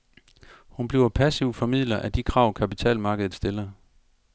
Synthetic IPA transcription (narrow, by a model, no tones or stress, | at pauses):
hunb̥liʊ̰ɐpʰæsiʊfɒ̽mið̰ˠlɐʔæd̥ikʰʁɑ̈ʊkʰæpit͡sʰɛ̰ːlmɑ̈ːɡəðð̩ˠsd̥elɐ